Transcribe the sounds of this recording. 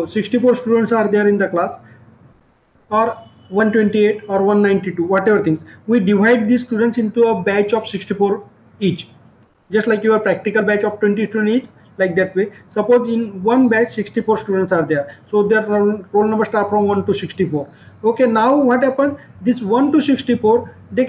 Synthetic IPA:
siksʈifoːɾsʈuːɖə̃ɳʈsaːɾd̪eəɾɪ̃nd̪əklaːs | ɔːɾ | ʋɐ̃nʈwẽɳʈieːʈɔːɾʋɐ̃nːãɪ̃ɳʈiʈuʋɔːʈeʋəɾt̪ʰĩŋsʋiːɖiʋaɪɖ̚d̪iːzsʈuːɖə̃ɳʈsɪ̃ɳʈuəbɛt͡ʃɔːfsiksʈifoːɾ | iːt͡ʃ | d͡ʒʌsʈlaɪkjuəɾpɾɛk̚ʈikəlbæt͡ʃɔfʈwẽɳʈisʈuɖẽɳiːt͡ʃ | laɪk̚d̪ɛʈʋeːsəpoːʈɪ̃nʋʌ̃nbɛt͡ʃsɪksʈifoːɾsʈuːɖə̃ɳʈsaːɾd̪eəɾsod̪eɾɾoːlnɐ̃mbəɾsʈaːɾʈfɾɔ̃mʋɐ̃nʈusɪksʈifoːɾ | oːkenaʊʋɔːʈhæpə̃ns | d̪isʋʌ̃nʈusɪksʈifoːɾ | d̪e

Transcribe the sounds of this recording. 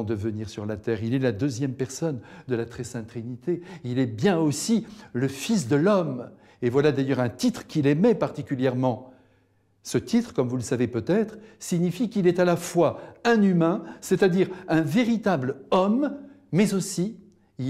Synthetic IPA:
d̪əvəniʁsyʁlat̪ɛːʁilɛlad̪øzjɛmpɛʁsɔnd̪əlat̪χɛsɛ̃t̪χinit̪eilɛbjɛ̃osiləfis̬d̪əlɔm | evwalad̪ajœʁɛ̃t̪it̪χkʲilɛmɛpaʁt̪ikʲyljɛʁmɑ̃ | sət̪ʰit̪χkɔmvuləsavepøt̪ɛt̪χsiɲifikilɛt̪alafwaɛ̃nymɛ̃sɛt̪ad̪iʁɛ̃veʁit̪ablɔmːɛzosi | i

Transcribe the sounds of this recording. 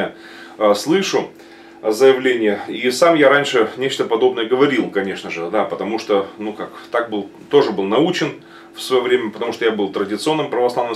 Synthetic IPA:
ə | əslˠɨʂʊ | zəjɪvlʲenʲɪjəisamjaɾanʲʂɨnʲet͡ɕt̪əpɐd̪o̞bnəjəɡəvɐɾʲilˠkɐnʲe̞ʂnəʐɨd̪apət̪ɐmuʂt̪onukakt̪ak̚bɨlˠt̪o̞ʐɨbɨlˠnɐut͡ɕɪn | fsvɐjovɾʲemʲəpət̪ɐmuʂt̪ojabɨlˠt̪ɾədʲɪt̪sɨo̞nːɨmpɾəvɐslˠavnɨm

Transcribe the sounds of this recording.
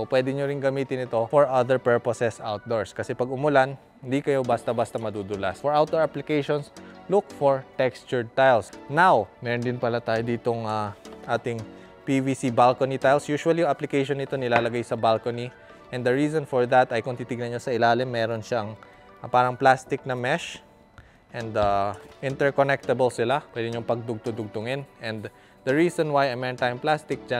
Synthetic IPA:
sopwɛːd̪ɪɲoɾɪŋɡɐmiːt̪ɪnɪt̪o̞foɹʔɐd̪ɛɹpɛɹposɛsawt̪̚d̪oɹskɐsɛpɐɡʊmʊlan | ɪnd̪ikɐjobast̪ɐbast̪ɐmɐd̪ud̪ʊlasfɔɹʔawt̪̚d̪oɹaplɪkejʃonslʊkfɔɹt̪ɛkst͡ʃʊɹt̪ajlsnawmɛːɾond̪ɪnpɐlat̪aːjod̪iːt̪oŋaʔaːt̪ɪŋ | pivisibalkonit̪ajlsjuːʃuwɐlijʊŋʔaplɪkɛjʃonːɪt̪o̞nɪlaːlɐɡajsɐbalkoni | ʔɛ̃nd̪ɐɹiːsonfɔɹd̪ɐt̪ɐjkʊnt̪iːt̪ɪɡ̚nɐnɲosɐʔɪlaːlɪmːɛːɾo̞nʃaɐŋ | paːɾɐŋplast̪ɪk̚nɐmɛʃ | ʔɛnd̪aʔɪ̃nt̪ɛɹkonɛk̚t̪ɐbɛlsɪlapwɛd̪ɪɲoŋpɐɡ̚d̪ʊɡ̚t̪ʊd̪ʊɡ̚t̪ʊŋɪnʔɛ̃nd̪ | d̪ɐɹiːsonwajɐmɛnt̪aːjʊŋplast̪ɪk̚d͡ʒa

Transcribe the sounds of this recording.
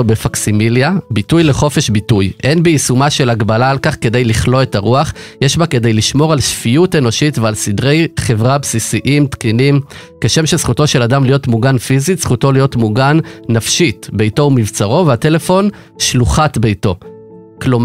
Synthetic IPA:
befaksimiljabitujle̞χo̞fe̞ʃbitujʔe̞nbeisumaʃe̞laɡbalaːlkaχke̞d̪ejliχlo̞etaʁuaχjeʃbake̞d̪e̞jliʃmo̞ʁalʃfiute̞no̞ʃitvealsidʁe̞jχe̞vʁabsisiʔimtkinim | keʃe̞mʃesχuto̞ʃe̞ladamlijo̞tmuɡanfizitsχuto̞lijo̞tmuɡanːafʃitbe̞jto̞umivt͡saʁo̞veatele̞fo̞n | ʃluχatbe̞jto̞ | klom

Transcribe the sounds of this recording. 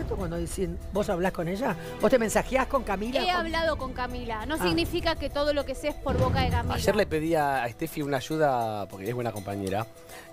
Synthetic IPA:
ɾt̪okwand̪oðisin | bo̞saβlasko̞neʒa | bost̪emensaxjahko̞ŋkamilaeaβlað̞oko̞ŋkamilano̞siɣnifikaket̪o̞ð̞olokesespo̞ɾβokaðekamaiʃeɾlepe̞ðiaːest̪efiunaːʒuðapoɾkeeβwe̞nakompaɲe̞ɾa

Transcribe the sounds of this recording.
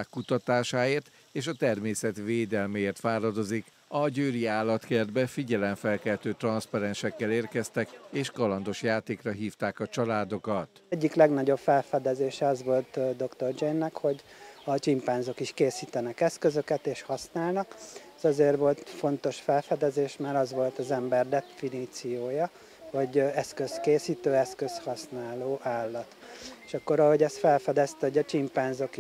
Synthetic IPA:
aːkːut̪ɒt̪aːʃaːeːrt̪ | eːʃɒt̪ɛrmeːsɛt̪veːd̪ɛlmɛeːrt̪faːɾɒd̪o̞zik | ɒɟøːɾiaːlːɒt̪kerd̪̚bɛfiɟɛlɛɱfɛlkɛlt̪øːt̪rɒnspɒɾɛnʃɛkːɛleːrkɛst̪ɛkeːʃkɒlɒnd̪o̞ʃjaːt̪eːkrɒɦiːft̪aːkɒt͡ʃɒlaːd̪o̞kɒt̪ | ɟːiklɛɡnɒɟo̞bfɛlfɛd̪ɛzeːʃɛɒzʋo̞lt̪d̪o̞kt̪o̞rd͡ʒɛjnːɛkho̞ɟɒt͡ʃimpaːnzo̞kiʃkeːsiːt̪ɛnɛkɛskø̞zø̞kɛt̪eːʃhɒsnaːlnɒkɛzɒzeːrʋo̞lt̪fo̞nt̪o̞ʃfɛlfɛd̪ɛzeːʃmaːɾɒzʋo̞lt̪ɒzɛmbɛrd̪ɛfiniːt̪sijoːjɒ | ho̞ɟɛskø̞skeːsiːt̪øːɛskø̞shɒsnaːloːʔaːlːɒt̪eʃɒkːo̞ɾɒho̞ɟɛst̪fɛlfɛd̪ɛst̪ɛhoɟɒt͡ʃimpaːnzo̞k

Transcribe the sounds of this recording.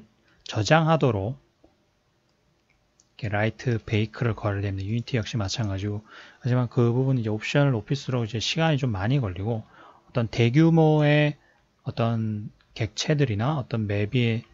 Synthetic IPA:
t͡ɕʌd͡ʑaŋɦadoɾok̚ | ikʰe̞ɾaitʰɯpe̞ikʰɯɾɯɭkʌɾɯɭdemdjuɲitʰijʌk̚ɕ͈imat͡ɕʰanɡad͡ʑiɡohad͡ʑimankɯbubunid͡ʑe̞op̚ɕ͈ʌnɯɭopʰis͈ɯɾoɡid͡ʑe̞ɕʰiɡaɲit͡ɕomːaɲiɡʌʎːiɡo | ʌt͈ʌnte̞ɡjumoe̞ | ʌt͈ʌn | ke̞k̚t͡ɕʰe̞dɯɾinaʌt͈ʌnme̞bi

